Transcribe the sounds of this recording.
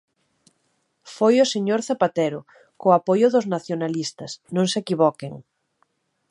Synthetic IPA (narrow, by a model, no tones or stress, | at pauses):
fojʊseɲoɾθapat̪eɾʊ | koapojʊðʊznaθjonalist̪ɐsnõŋsekiβɔkeŋ